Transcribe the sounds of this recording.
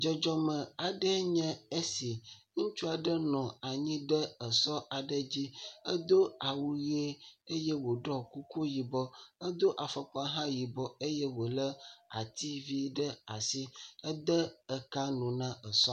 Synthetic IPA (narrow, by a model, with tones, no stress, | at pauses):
d͡ʒɔ˨d͡ʒɔ˦mə˨a˨ɖə˦ɲɛ̃˦e˦si˨ŋũ˦t͡ʃu˦a˨ɖə˦nɔ̃˨a˨ɲĩ˦ɖə˦ə˨sɔ˦a˨ɖə˦d͡ʑi˦ə˦d̪o˦a˨wu˦je˦e˦jɛ˦wo˨ɖɔ˦ku˦ko˦ji˨bɔ˦ə˦d̪o˦ʔa˨fə˦k͡pɔ˦a˦ɦã˦ji˨bɔ˦e˦je˦wo˨lə˦a̰˨t̪i˦vi˦ɖə˦a̰˨si˦ə˦d̪ə˦ə˨ka˦nũ˨nã˦ə˨sɔ˦